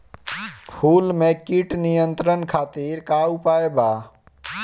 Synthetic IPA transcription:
pʰuːlmekiʈnijənt̪ɾənkʰaːt̪iɾkaupaeba

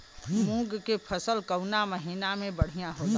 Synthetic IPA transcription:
mũɡkepʰəsəlkəwnaməɦinamẽbəɽ̤ijaɦot̪a

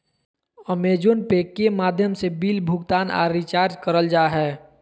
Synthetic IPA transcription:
əmeːd͡ʒonpekːemaːd̪ʱjəmsebiːlbʱʊɡt̪aːna̰ɾɾit͡ʃaːɾd͡ʒkəɾəld͡ʒaːɦɛː

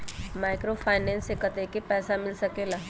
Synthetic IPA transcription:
maːɪkɾofʰaːɪnɛ̃ːnsekət̪ekepɛːsamɪlsɐkelaː

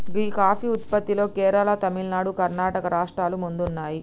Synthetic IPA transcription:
ɡiːkaːfiːut̪̚pɐt̪ːilo̞ːkɛːɾɐlat̪ɐmilnaːɽukɐɾnaːʈɐkɐɾaːʂʈɾaːlumund̪unːaːji

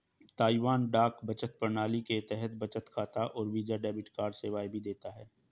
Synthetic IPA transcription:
t̪aːiʋaːnɖaːkbɐt͡ʃət̪̚pəɾnaːliket̪ɛɦɛt̪bɐt͡ʃət̪kʰaːt̪aʔɔːɾʋiːd͡ʒaɖɛːbɪʈkaːɾɖseːʋaːibʱid̪eːt̪aɦɛː

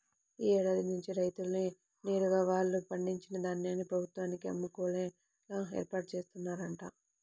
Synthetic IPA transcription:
iːɛːɽaːd̪inuɲt͡ʃiɾɐjt̪ulni | neːɾuɡaːʋaːɭːupɐɳɖiɲt͡ʃinɐd̪aːnːaːnːipɾɐbʱut̪ʋaːnikiɐ̰mːukɔːle | laːḛːɾpaːʈ̚t͡ʃeːst̪unːaːɾɐɳʈaː

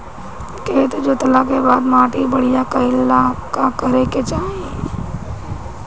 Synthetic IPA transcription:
keːt̪d͡ʒot̪əlakebaːd̪maːʈibəɽijakəɪlakakəɾeket͡ʃaːɦe

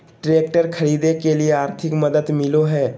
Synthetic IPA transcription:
ʈɾeːk̚ʈəɾkʰɐɾiːd̪ekelieaːɾt̪ʰɪkmɐd̪əd̪mɪloɦɛː

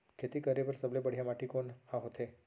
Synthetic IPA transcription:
kʰet̪ikəɾebəɾsəblebəɽ̤jamaʈikonhãɦot̪ʰe

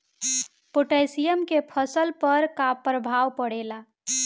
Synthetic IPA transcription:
poʈajsijəmkepʰəsəlpəɾkapɾəbʱawpəɽela

